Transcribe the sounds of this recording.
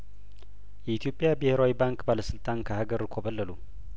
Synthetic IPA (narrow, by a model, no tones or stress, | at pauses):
jɛit̪ʰijo̞pʼːjabɨheɾawibaŋkbaləsɨlt̪ʼʰankʰəhaɡəɾkʰobəlːəlu